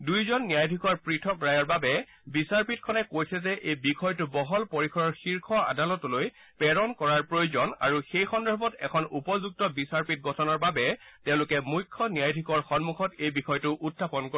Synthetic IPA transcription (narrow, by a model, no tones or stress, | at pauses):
dujzɔnːijajdʱikɔɹpɹitʰɔkɹajɔɹbabɛ | bisaɹpit̚kʰɔnɛkojsʰɛzɛʔejbixʰɔjtʊbɔɦɔlpoɹikʰɔɹɔɹxiɹkʰɔa̰dalɔtɔloj | pɛɹɔnkɔɹaɹpɹojuzɔna̰ɹuxejxɔndɔɹbɔtɛkʰɔnupɔzuk̚tɔbisaɹpit̚ɡɔtʰɔnɔɹbabɛtɛ̃ʊ̃lʊkɛmujkʰːɔnijajdʱikɔɹxɔnmuxɔtejbixɔjtʊʔutʰːapɔnko